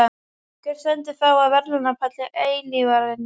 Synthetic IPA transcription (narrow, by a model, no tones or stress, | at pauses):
a | kɪɾ̥sɛnt̪ɪθawaðvɛɾlʏnapʰat̪lɪʔeːjlɪvaɾðɪn